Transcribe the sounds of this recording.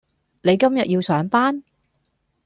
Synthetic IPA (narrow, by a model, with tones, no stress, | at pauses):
ne˨˧jkɐ˥mjɐ˨t̚jiː˧wsœː˨˥ŋpaː˥n